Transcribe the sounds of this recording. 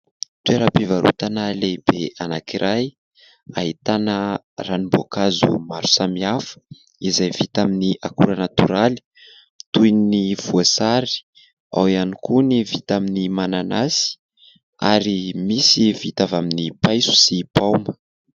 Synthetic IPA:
tweɾəpivaɾʔṵt̪anəleib̥eanakiɾʔaj | aɦit̪anə | ranibokazṵmaɾu̥samiafə̥ | izajv̥it̪aminiʔakuɾənat̪uɾali̥ | t̪ujnniv̥uasaɾi̥ | a̰wianikunivit̪aminimananasi̥ | a̰ɾimisivit̪avaminipajsu̥sipawmə

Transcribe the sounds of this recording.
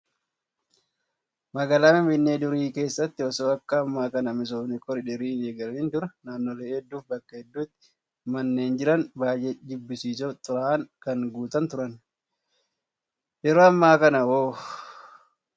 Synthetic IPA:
mɐɡaːlaːmɪbɪnːeːd̪ʊɾiːke̞ːsːɐt̪ːɪɔsoːɐkːɐːmːaːkɐnɐmɪs̬oːfnɪkʼɔɾɪᶑɪɾiːneːɡɐɾɐniːnd̪ʊɾɐnaːnːoleːhɛd̪ːuːfbɐkːɐhɛd̪ːuːt̪ːɪ̥ | mɐnːeːnd͡ʒɪɾɐnbaːjɛd͡ʒ̪ɪbːɪsiːsot̪ʼːʊɾaːʔɐŋkɐŋɡuːt̪ɐnt̪ʊɾɐn | jɛɾoːɐmːaːkɐnɐwoː

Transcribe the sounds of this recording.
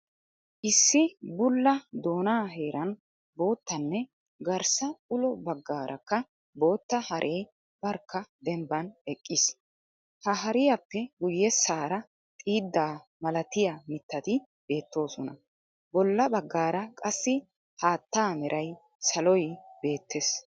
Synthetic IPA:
ʔɪsːɪbʊlːɐd̪o̞ːnaːɦe̞ːɾʔɐn | bo̞ːt̪ːɐnːɛ | ɡɐɾsɐʊlɔbɐɡːaːɾʔɐkːɐ | bo̞ːt̪ːɐhɐɾʔeːj | bɐɾkːɐd̪ɛmbɐnɛkʼːɪs | hɐɦɐɾɪjɐpːɛɡʊjːɛsːaːɾɐ | t̪ʼiːd̪ːaːmɐlɐt̪ɪjamɪt̪ːɐt̪ɪ | be̞ːt̪ːo̞ːsɔnɐ | bɔlːɐbɐɡːaːɾɐkʼɐsːɪ | haːt̪ːaːmɛɾʔɐj | sɐlɔjb̥e̞ːt̪ːes

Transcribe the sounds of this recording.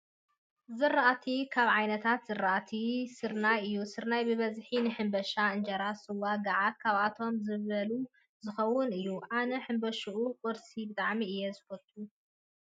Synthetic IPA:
zɨrːaʔat̪ʰikʰaβʕajnɐt̪ʰat̪z̥ɨrːɐʔat̪ʰisɨɾnajɨjːusɨɾnajbɨβɐzħinɨħɨmbɐʃaɨnd͡ʒɐɾasɨwaɡɐʕat̪̚kʰaβat̪ʰo̞mzɨβɐlu | zɨxɐwːʊnɨjːuʔanɐħɨmbɐʃuʔukʼɔɾsibɨt̪ʼaʕmiɨjːezɨfɐt̪ʰʼːu

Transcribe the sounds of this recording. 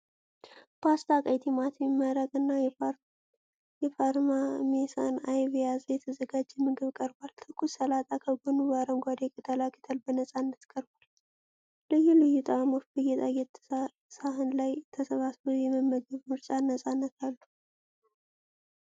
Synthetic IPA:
bast̪ʰakʼəjt̪ʰemat̪ɛmimːəɾəɡʼɨnːa | jɛfaɾmamesanajβijazjɛt̪ʰəzəɡad͡ʒːɛmɨɡɨβkʼəɾbalt̪ʰɨkʰːusəlat̪ʼakʰəɡonuβaɾəmɡʷad̪ekʰət̪ʰəlakʰət̪ʰəlbənəsʼanːət̪kʼəɾbal | ləjːɪhlɨjut̪ʼamo̞t͡ʃːbəjɛt̪ʼajɛt̪ʰː | saɦɨnlajt̪ʰəsəβasbojɛməmːəɡəβmɨɾt͡ʃʼanːəsʼanːət̪ʰalːu

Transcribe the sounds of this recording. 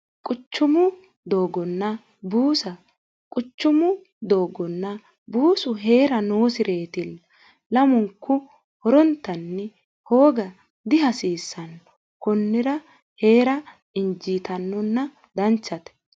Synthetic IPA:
kʼʊt͡ʃːʊmʊ | d̪o̞ːɡɔnːɐ | buːsɐ | kʼʊt͡ʃːʊmʊ | d̪o̞ːɡɔnːɐ | buːsʊɦe̞ːɾɐnoːsɪɾʔe̞ːt̪ɪlː | ɐmʊŋkːʊ | hɔɾɔnt̪ːɐnːɛ | ho̞ːɡɐ | d̪ɪɦɐsiːsːɐn | kɔnːɪɾɐ | he̞ːɾɐ | ɪnd͡ʒiːt̪ɐnːɔnːɐ | d̪ɐnt͡ʃːɐt̪ɛ̥

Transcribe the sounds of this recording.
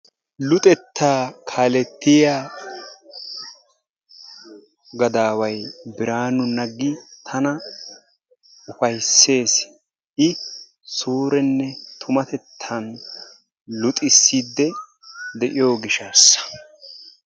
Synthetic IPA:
lʊt̪ʼɛt̪ʰːaːkʰaːlɛt̪ːɪjaː | ɡɐd̪aːwɐjbɪɾaːnʊnɐɡːɪt̪ʰɐnɐ | ʊfɐjsːe̞ːs | ʔɪ | suːɾɛnːɛt̪ʰʊmɐt̪ɛt̪ʰːɐn | lʊt̪ʼɪsːiːd̪ːɛ | d̪ɛʔɪjo̞ːɡɪʃaːsːɐ̥

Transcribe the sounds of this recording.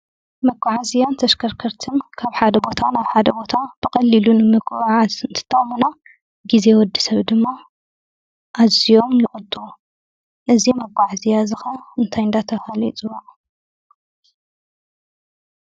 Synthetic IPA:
mɐɡʷʼaʕazijant̪ʰɐʃkʰɐɾkʰɐɾt̪ʰɨnkʰaβħad̪ɐbo̞t̪ʰanaβħad̪ɐbo̞t̪ʰab̥ɨkʼɐlːilunɨmɨɡʼʕazɨnt̪ʰɨ̥t̪ʰːɐχʼmuna | ɡize̞wɔd̪ːisɐβd̪ɨmːa | ʔazijo̞mjɨχʼʊt̪ʼːuu | ʔɨzimɐkʷʼːaʕazijazɨxɐɨnt̪ʰajɨnd̪at̪ʰɐfalḭt͡sʼɨwaʔ

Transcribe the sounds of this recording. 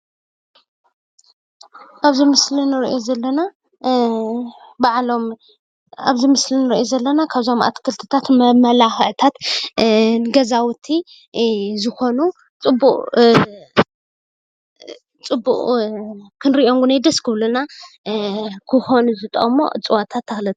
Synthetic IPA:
ʔaβzimɨslinɨɾiʔo̞zɐlːɐna | baʕlo̞m | aβzimɨslinɨɾiʔozɐlːɐnakʰaβzɐmʔa̰t̪kʰɨlt̪ʰɨt̪ʰat̪mɐmɐlaxʕt̪ʰat̪ | ɡɐzawɨt̪ʰi | zɨxo̞nu | t͡sʼɨbːuʔʼ | t͡sʼɨbːuʔʼ | kʰɨnɾiʔo̞ŋɡunajd̪ɐskʰɨβluna | kʰɨxo̞nuzɨt̪ʼɐ̰ʔʼmo̰t͡sʼɨwat̪ʰat̪ʰːɐxlɨt̪ʼ

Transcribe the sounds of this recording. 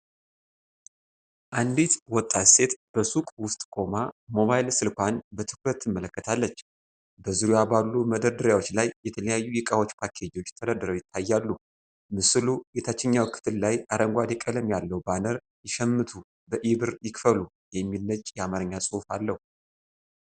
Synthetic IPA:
ʔand̪it̪wɔt̪ʼːat̪se̞t̪b̥əsukʼwʊst̪ʼkʼo̞mamo̞βalsɨlkʷanbət̪ʰɨkɾət̪jɪmːələkːət̪ʰalːət͡ʃː | bəzɨɾujabalːuməd̪əɾd̪ɨɾjawo̞t͡ʃːlajːɛt̪ʰələjajːujɪkʼawo̞t͡ʃːpʰakʰed͡ʒo̞t͡ʃːt̪ʰəd̪əɾd̪ɨɾəwjɪt̪ʰːajːalːu | mɨsɨlujet̪ʰat͡ʃːɪɲːawkʰːɨ̥t̪ʰɨllajʔaɾəŋɡʷad̪ɛkʼələmjalːəwbanəɾ | jɪʃɛmːɨt̪ʰu | bəʔiβɨɾjɪkfəlu | jɛmːilːət͡ʃʼːjɛamaɾɨɲːasʼɨhufalːəhu

